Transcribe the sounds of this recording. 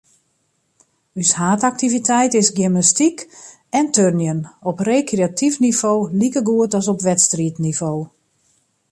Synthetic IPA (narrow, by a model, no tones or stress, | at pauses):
yshaːtak̚tivitʰɛjtɪsɡiməstik | ɛntʰørnjənɔpreːkreatʰifnivoːlikəɡuətɔsɔpʋɛtstritnivoː